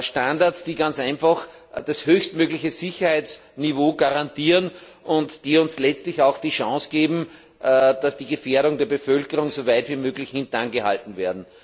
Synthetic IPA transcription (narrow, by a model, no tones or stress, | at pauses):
ʃtãndaɐsd̥iːɡãnt͡sæɪnfax | d̥ashøːçstmøːɡlɪçəzɪçɐhæɪt͡snivoːɡaʁantiːʁən | ʔʊntd̥iːʊnslɛt͡stlɪçaʊxd̥iːʃɑ̃ːsɡ̥eːbm̩ | d̥asd̥iːɡəfeːɐɾʊŋdeːɐbəfœlkəʁʊŋsovæɪtviːmøːɡlɪçhɪ̃ntnanɡəha̰ltn̩veːɐdn̩